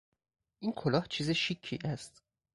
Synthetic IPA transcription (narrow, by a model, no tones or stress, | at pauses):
ʔiːnkʰolɒːht͡ʃʰiːzeʃicʰːḭːʔæst̪